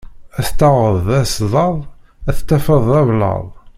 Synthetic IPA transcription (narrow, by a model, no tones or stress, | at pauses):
æθt̪ːɑʁəðˤæsðˤɑðˤ | æθt̪ːæfəðˤævlɑ̰ðˤ